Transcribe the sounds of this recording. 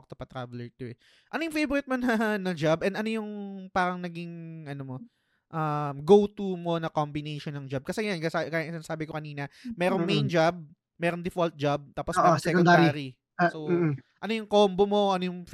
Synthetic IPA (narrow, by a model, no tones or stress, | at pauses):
k̚t̪opɐt̪ɾaːvlɛɹt̪ʊɛ | ʔɐnojʊŋfejbʊɾɪt̪̚monɐnɐd͡ʒabʔɛnd̪ɐno̞jʊŋpaːɾɐŋnɐɡiŋʔɐnomo̞ | ʔɐmɡowt̪umo̞nɐkombɪnejʃonːɐŋd͡ʒab̚kɐsɛjankasakajsɪnasaːbɪkokɐniːnɐmɛːɾoŋmejnd͡ʒab̚ | mɛːɾond̪ɪfolt̪̚d͡ʒab̚t̪aːposooɛknd̪d̪ɾiaɾi | soʔɐnojʊŋkoːmbomo̞ʔɐnojʊŋf